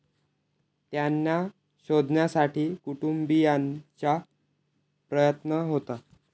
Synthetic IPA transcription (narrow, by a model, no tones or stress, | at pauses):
t̪janːa | ɕod̪ʱnjasaʈʰiːkuʈumbijant͡ɕa | pɾəjət̪nəɦot̪a